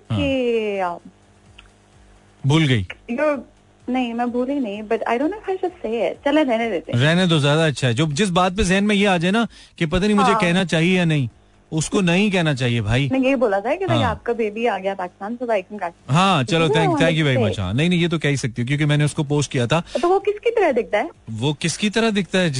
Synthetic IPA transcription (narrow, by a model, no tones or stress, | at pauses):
ɦãia | bʱuːlɡɐḭːjoː | nɐɦĩmɛ̃bʱuːlinɐĩbɐʈa̰ːɪɖõːnːoːɪfaɪʃʊseːɛt͡ʃɐlẽɾɛɦned̪eːt̪ẽɾɛɦnet̪̬ozjaːd̪aɐtːʃʰaɦɛd͡ʒoːd͡ʒɪs̬baːt̪̚pezɛɦənmẽjeaːd͡ʒaːena | kep̬ɐt̪aːnĩmʊd͡ʒʱekɛɦnat͡ʃaːɦiejanɐɦĩ | ʊskonɐɦĩk̬ɛɦnat͡ʃaːɦiebʱaːijeiboːlat̪ʰaɛkɪsɦaːp̚kabeːbiaːɡɐjapaːkɪ̥st̪aːnsɐbaeːkkaːɦãːt͡ʃɐlot̪ʰɛ̃ːt̪ʰɛ̃ːŋk̬jubʱaːiba̰ʃa̰ːnɐɦĩnɐɦĩjeːt̪̬okɛːɦisɐk̚t̪iɦũk̬jõːkemɛ̃ːneʊskop̬oːsʈkijat̪ʰaːt̪oʋokɪskit̪ɐɾəd̪ɪk̚t̪aɦɛːʋoːkɪskit̪ɐɾəɦd̪ɪk̚ʰt̪aɦɛ